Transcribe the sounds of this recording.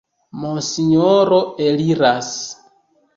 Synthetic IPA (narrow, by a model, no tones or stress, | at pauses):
mosiɲoɾoeliɾas